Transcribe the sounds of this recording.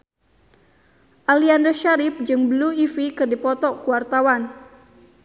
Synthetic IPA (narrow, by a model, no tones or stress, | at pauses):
ʔaliandərʃaɾɪp̚d͡ʒɨŋbəluifikɨrdipɔt̪ɔkuwart̪awan